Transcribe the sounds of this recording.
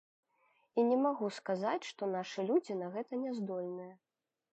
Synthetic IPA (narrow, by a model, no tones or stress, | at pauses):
inʲɛmaɣuskazat͡sʲʂt̪ɔnaʂɨlʲud͡zʲinɐɣɛt̪ɐnʲɛzd̪ɔlʲnɨjɛ